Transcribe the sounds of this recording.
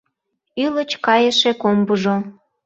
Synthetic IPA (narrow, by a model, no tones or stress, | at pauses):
ylət͡ɕkɑjəʃekombuʒo